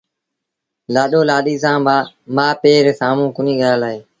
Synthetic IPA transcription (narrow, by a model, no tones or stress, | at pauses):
laːɗoːlaːɗiːsãːmamaːpeːɾeːsaːmũːkʊnĩːɠaːlaːɦeː